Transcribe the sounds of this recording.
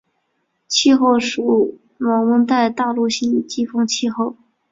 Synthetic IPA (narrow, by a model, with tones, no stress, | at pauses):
t͡ɕʰi˥˧xo˥˩ʊʂu˨˥ | mɑ˧˥ŋwə˧˥nt̪a˥˧ɪt̪ɑ˥˧ʊlu˥˩ɕi˥˩n˨˩t͡ɕi˥fɤ˥ŋt͡ɕʰi˥˧xo˥˩ʊ